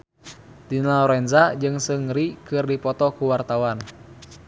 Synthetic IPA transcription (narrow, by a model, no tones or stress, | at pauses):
dinaɔɾɛnzad͡ʒɨŋsɨŋɾikɨrdipɔt̪ɔkuwart̪awan